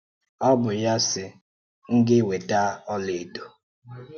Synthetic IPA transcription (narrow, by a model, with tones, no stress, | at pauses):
ɔ˦bʊ˨ja˦sɪ˨ | ŋ̩˦ɡɪ˦we˨ta˦ɔ˦le˨do˨